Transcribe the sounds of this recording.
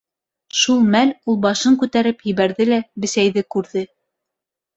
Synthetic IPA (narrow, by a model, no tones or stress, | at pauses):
ʃulˠmælulˠbɑʃɤŋkʉt̪æɾɘpjɘ̆βæɾðɘlæbɘ̆sæjðɘkʉɾðɘ